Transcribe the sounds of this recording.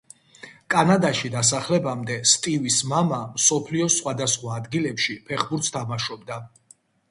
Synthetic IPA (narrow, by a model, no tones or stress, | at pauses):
kʼanad̪aʃid̪as̬aχlɛbamd̪ɛst̪ʼivismamamsɔpʰliɔsχwad̪asχwaːd̪ɡilɛpʃipʰɛχbuɾt̪st̪ʰamaʃɔbd̪a